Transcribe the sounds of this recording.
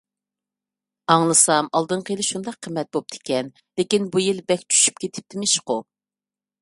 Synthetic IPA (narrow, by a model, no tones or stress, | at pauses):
ɑŋlˠɨsɑmɑlˠd̪ɨɴqʰəjilɨʃund̪ɑqʰːəmːɛt̪̚bop̚t̪ʰɪ̥kʲɛn | lekʲinbujilbɛkʲt͡ʃʰy̥ʃy̥pkʲʰet̪ʰɪ̥p̚t̪ʰɪmɪʃqʊ